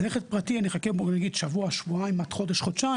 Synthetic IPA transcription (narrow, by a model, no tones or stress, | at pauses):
leχet̪̚pʁat̪ianiχakeboɡnaɡid̪ʃavuaʃvuaimat̪χo̞deʃχot̪t͡ʃa